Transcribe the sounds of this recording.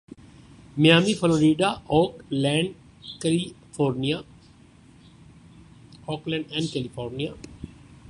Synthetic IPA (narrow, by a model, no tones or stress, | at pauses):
mijaːmifəloːɾiːɖaɔːklɛ̃ːɳɖ | kɛlifɔːɾnia | ɔːklɛ̃ːɳɖɛ̃ɳɖ̚kɛlifɔːɾnija